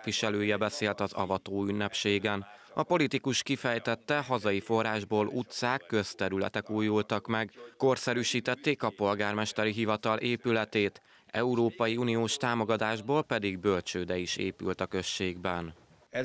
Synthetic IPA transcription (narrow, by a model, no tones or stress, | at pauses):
ʋiʃɛløːjɛbɛseːlt̪ɒzɒ̰vɒt̪oːynːɛpʃeːɡɛn | ɒpo̞lit̪ikuʃkifɛjt̪ɛt̪ːɛɦɒzɒjifo̞raːʒboːlut̪saːkːø̞st̪ɛɾylɛ̰t̪ɛkuːjult̪ɒkmɛɡko̞rsɛɾyːʃiːt̪ɛt̪ːeːkɒpo̞lɡaːrmɛʃt̪ɛɾiɦivɒt̪ɒlʔeːpylɛt̪eːt̪ | ɛuɾoːpɒjiuːnijoːʃt̪aːmo̞ɡɒd̪aːʒboːlpɛd̪iɡ̚bø̞lt͡ʃøːd̪ɛiʃḛːpy̰lt̪ɒkø̞ʃːeːɡbɛn